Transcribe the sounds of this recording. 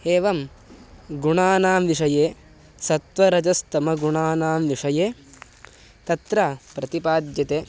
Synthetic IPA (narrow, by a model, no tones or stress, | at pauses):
eːʋɐm | ɡuɳaːnaːmʋiʂɐjeː | sɐt̪ʋɐɾɐd͡ʒɐst̪ɐmɐɡuɳaːnaːmʋiʂɐjeː | t̪ɐt̪ɾɐpɾɐt̪ipaːd̪jɐt̪eː